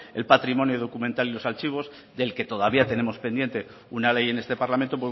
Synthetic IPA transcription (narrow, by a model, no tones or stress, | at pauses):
e̞lpat̪ɾimõ̞njoðo̞kument̪alilo̞salt͡ʃiβ̞o̞z | d̪e̞lke̞t̪o̞ðaβiat̪e̞ne̞mo̞spe̞nd̪je̞nt̪e̞ | unale̞je̞ne̞st̪e̞paɾlament̪o̞p̬we